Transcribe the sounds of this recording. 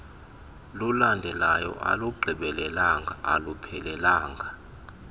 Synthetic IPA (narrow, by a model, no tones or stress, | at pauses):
lulandʱɛlajɔ̰ʔa̰luɡ͡ǃʱiɓɛlɛlaŋɡʱa̰ːlupʰɛlɛlaːŋɡʱa